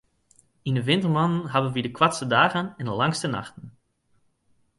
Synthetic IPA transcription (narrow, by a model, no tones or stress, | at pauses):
inəʋɪntərmɑnənɦabənʋidəkwatstədaːɣənɛndəlɑŋstəna̰xtən̩